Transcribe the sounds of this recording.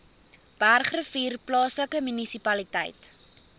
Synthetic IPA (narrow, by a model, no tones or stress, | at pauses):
b̥ærχrəfiːrplɑːsləkəmynisipɐlitɛ̰jt